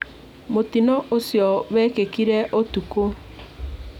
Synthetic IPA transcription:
motinɔʔosjɔβɛkekiɾɛʔotuko

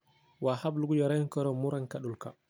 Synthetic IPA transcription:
wahabluɡud͡ʒɔɾajkɔɾɔmuɾankaɗulka̰

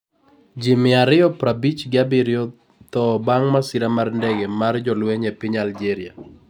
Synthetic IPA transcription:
d͡ʒɪmɪaɾɪɔpɾabit͡ʃɡɪabɪɾjɔ | t̪ɔbaŋmasiɾamarndɛɡɛmard͡ʒɔlweɲɛpɪɲald͡ʒeɾɪja

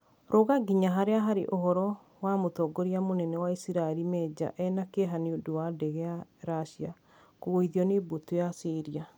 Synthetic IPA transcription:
ɾʔoɣaɡiɲaɦaɾeaɦaɾḛʔohɔɾɔ | wamotɔɡoɾiamonɛnɛwaisiɾaɛɾimɛd͡ʒa̰ʔɛnakeɦaneodowadɛɣɛaɾaʃia | koɣoiðiɔnebotojasiɾia

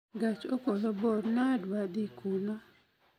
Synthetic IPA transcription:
ɡat͡ʃokolɔbɔdnadwad̪ikuna

